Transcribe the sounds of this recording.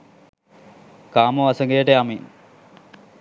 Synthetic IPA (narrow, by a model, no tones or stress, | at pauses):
kaːmoɐsɐŋɡejəʈejamiːn